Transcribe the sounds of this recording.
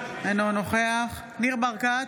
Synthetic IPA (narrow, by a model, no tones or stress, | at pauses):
enonoχeaχ | niʁbaʁka